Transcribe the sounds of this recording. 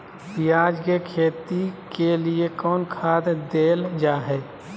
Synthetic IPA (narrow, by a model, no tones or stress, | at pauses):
pɪjaːd͡ʒkekʰeːt̪ikeliekɔːnkʰaːd̪d̪eːld͡ʒaːɦɛː